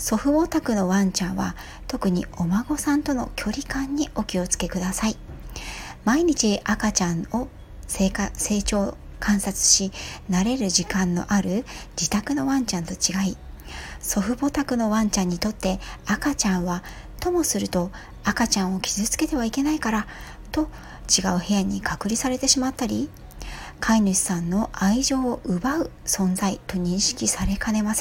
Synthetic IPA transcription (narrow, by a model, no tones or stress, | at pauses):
so̞ɸɯ̟bo̞t̪akɯ̟no̞βãɲ̟t͡ɕãɰ̃βa̰ | t̪o̞kɯ̟ɲ̟ḭo̞maɡo̞sãnt̪o̞no̞̰kʲʰo̞ɾʲikãɲ̟ːio̞kʲio̞t͡sɨ̥ke̞kɯ̟d̪asai | maiɲ̟it͡ɕiʔakat͡ɕãɰo̞ | sekase̞ːt͡ɕo̞ː | kʰãɰ̃sat͡sɨ̥ɕinaɾe̞ɾɯ̟ʑikãnːo̞̰ʔaɾɯ̟d͡ʑit̪akɯ̟no̞βãɲt͡ɕãnt̪o̞t͡ɕiɡai | so̞ɸɯ̟bo̞t̪akɯ̟no̞βãɲ̟t͡ɕãɲ̟ːit̪o̞t̪ːe̞akat͡ɕãɰ̃βa | t̪o̞mo̞sɨɾɯ̟t̪o̞ | akat͡ɕãɰ̃o̞kʲizɨt͡sɨ̥ke̞t̪e̞β̞aike̞naikaɾa | t̪o̞ | t͡ɕiɡaɯ̟he̞jaɲ̟ikʰakɯ̟ɾʲisaɾe̞t̪e̞ɕimat̪ːaɾʲi | kʰainɯɕi̥sãnːo̞ʔaiʑo̞ːʔɯ̟baɯ̟ | sõ̞nd͡zait̪o̞ɲ̟ĩɰ̃ɕi̥kʲisaɾe̞kʰane̞mas